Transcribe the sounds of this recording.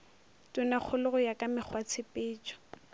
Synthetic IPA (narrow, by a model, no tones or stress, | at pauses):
tʼʊnak͡xʰʊlʊɣʊjakʼamɪχʰwat͡sʰɪpʼɪːt͡ʃʼɔ̥